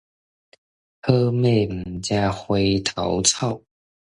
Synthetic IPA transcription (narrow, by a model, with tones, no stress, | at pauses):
hɤ˥me˥˩ɪm̩˨˩t͡ɕja˥xwe˥ɪt̪ʰɑ˨˦ʊt͡sʰɑ˥˨ʊ